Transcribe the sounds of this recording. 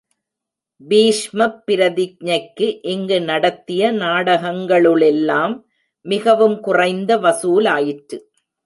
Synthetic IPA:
biːʂmɐpːɪɾɐðɪk̚ɲɐɪkːɯʔɪŋɡɯnɐɽɐt̪ːɪjɐnaːɽɐɣɐŋɡɐɭɯɭɛlːaːmː | ɪɣɐʋɯmkʊrɐɪnd̪ɐʋɐsuːlaːjɪʈɾɯ

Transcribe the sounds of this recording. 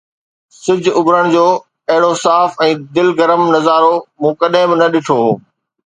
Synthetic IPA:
sɪd͡ʑʱʊbɾəɽ̃d͡ʑoː | ɐɦɪɽosaːfɛ̃ːd̪ɪlɡɐɾəmnɐzaːɾomũːkɐɗɦɪ̃bɪnɐɗɪʈʰoːɦoː

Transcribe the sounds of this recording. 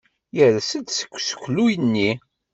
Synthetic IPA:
jəɾæsəd̪sə̥kʷːsə̥kʷːlujənːi

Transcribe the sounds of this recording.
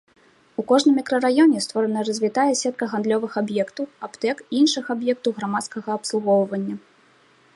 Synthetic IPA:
ukɔʐnɨmʲikɾɐrajɔnʲɛst̪vɔɾɐnɐɾɐzʲvʲit̪ajɛsʲɛt̪̚kɐɣand̪lʲɔvɨxabjɛkt̪ɐwapt̪ɛkiinʂɨxabjɛk̚t̪ɐwɣɾamat̪skɐɣɐːpslˠuɣɔwvɐnʲːɐ

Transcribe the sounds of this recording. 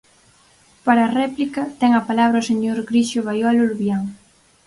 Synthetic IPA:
paɾɐːrɛplikɐt̪ɛŋɐpalaβɾɐoseɲoɾɡɾiʃoβajɔluɾβjaŋ

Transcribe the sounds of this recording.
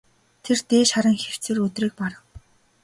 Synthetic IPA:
t̪ʰert̪eːʃaɾə̆ŋxer̥t͡sĕrɵt̪riːk̚paɾə̆w

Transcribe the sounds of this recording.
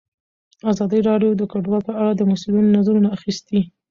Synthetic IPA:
azɑd̪əjɾɑɖjod̪əkaɖwɑlpəaɽad̪əmʊsulinonazaɾunaːxist̪i

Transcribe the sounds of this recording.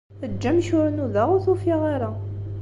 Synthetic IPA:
əd͡ʒːæmʃʊɾnuðaʁʊθufiʁaɾa

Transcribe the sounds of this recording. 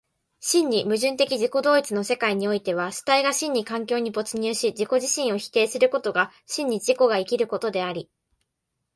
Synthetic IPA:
ɕĩɲ̟ːimɯ̟ʑɨ̃nt̪e̞kʲid͡ʑiko̞d̪o̞ːit͡sɨno̞se̞kaiɲ̟io̞it̪e̞β̞aɕi̥t̪aiɡaɕĩɲ̟ːikãŋkʲo̞ːɲ̟ibo̞t͡sɨɲ̟ɨːɕid͡ʑiko̞ʑiɕĩɰ̃o̞çi̥t̪e̞ːsɨɾɯ̟ko̞t̪o̞ɡa | ɕĩɲ̟ːid͡ʑiko̞ɡaikʲiɾɯ̟ko̞t̪o̞d̪e̞aɾʲi

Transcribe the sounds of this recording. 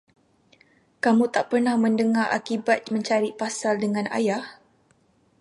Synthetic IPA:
kamũt̪aʔpərnahmə̃ndəŋarʔa̰kibat̪̚mə̃ɲt͡ʃaɾipasaldəŋãna̰jah

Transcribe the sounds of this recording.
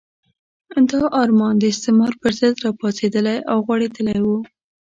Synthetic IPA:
d̪ɑʔɑɾmɑnd̪əɪst̪ɪmɑɾpəɾzəd̪ɾɑpɑsed̪əlajawɣwaɽed̪əlajwu

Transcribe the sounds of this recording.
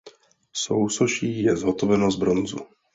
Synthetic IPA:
sowsoʃiːjɛzɦot̪ovɛnozbɾonzṵ

